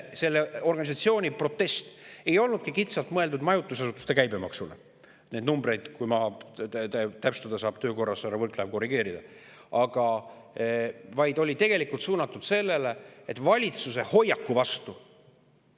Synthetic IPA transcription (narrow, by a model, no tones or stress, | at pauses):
se̞lːeo̞rɡɑnʲis̬ɑt̪sio̞ːnʲipro̞t̪ːe̞st̪e̞jo̞lnud̪̚kikit̪sɑlt̪mɤeld̪ud̪mɑjut̪ːˑusɑs̬ut̪ːˑu̥st̪e̞kæjbe̞mɑksule | ne̞d̪numbɾe̞jd̪̥kujmɑb̪ | t̪æpst̪ɑd̪ɑsɑːb̥t̪ø̞ːko̞rːɑsɑɾɑvɤrklæb̥̚ko̞rːiɡ̥e̞ːɾid̪̥ɑ | ɑɡ̥ɑ | vɑjd̪o̞lʲit̪e̞ɡe̞likˑult̪suːnɑt̪ːˑud̪̥se̞lːe̞le̞et̪ːˑvɑlʲit̪suse̞ho̞jːɑkːuvɑst̪u